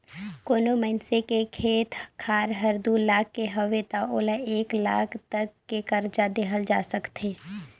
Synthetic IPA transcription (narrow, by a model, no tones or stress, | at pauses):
koːnoməɪnsekekʰeːt̪ʰkʰaːɾɦəɾd̪ulaːkːeɦəʋet̪aoːləeːkla̰ːkʰt̪əkːekəɾd͡ʒad̪eɦəld͡ʒa̰ːsəkt̪eː